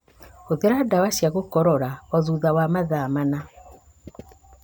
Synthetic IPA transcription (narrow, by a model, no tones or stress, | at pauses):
oðeɾadawaʃiaɣokɔɾɔɾaɔðuðawamaðaːmana